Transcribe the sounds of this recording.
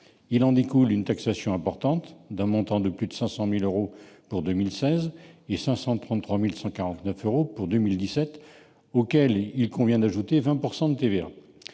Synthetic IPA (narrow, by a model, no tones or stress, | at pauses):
ilɑ̃d̪ekulynt̪aksasjɔ̃ɛ̃pɔʁt̪ɑ̃t̪d̪ɛ̃mɔ̃t̪ɑ̃d̪əplyd̪əsɛ̃sɑ̃miløʁopuʁd̪ømilsɛzesɛ̃sɑ̃t̪χɑ̃t̪t̪ːχwamilsɑ̃kaʁɑ̃t̪nœføʁopuʁd̪ømild̪isɛt̪ | okɛlilkɔ̃vjɛ̃d̪aʒut̪evɛ̃puʁsɑ̃d̪ət̪evea̰